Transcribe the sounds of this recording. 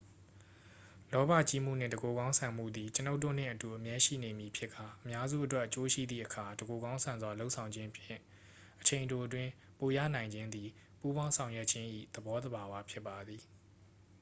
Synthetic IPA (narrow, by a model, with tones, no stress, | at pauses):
lɔ˦ba̰˦˨t͡ɕi˦˨m̥ṵ˦˨n̥ɪ̰̃˦˨dəɡo˨ɡã˦ʊ̃sʰã˨m̥ṵ˦˨d̪i˨t͡ɕəno˦tːo̰˦˨n̥ɪ̰̃˦˨ʔətu˨ʔə˨mjɛ˦ʃḭ˦˨ne˨mji˨pʰjɪ˦ʔkʰːa˨ʔəmja˦zṵ˦˨ʔətwɛ˦ʔːət͡ɕo˦ʃḭ˦˨d̪ðḭ˦˨ʔəkʰa˨dəɡo˨ɡã˦ʊ̃sʰã˨nzwa˨lo˦ʔsʰã˨ʊ̃ɲd͡ʑɪ̃˦pʰjɪ̃˦˨ | ʔət͡ɕʰẽ˨ɪ̃ndo˨ʔət̬wɪ̃˦ | po˨jä̰˦˨nã˨ɪ̃ɲd͡ʑɪ̃˦nd̪i˨ | pu˦bwã˦ʊ̃sʰã˨ʊ̃jwɛ˦ʔt͡ɕʰɪ̃˦ʔḭ˦˨d̪̥əbɔ˦d̪əba˨wa˦pʰjɪ˦pːa˨d̪ði˨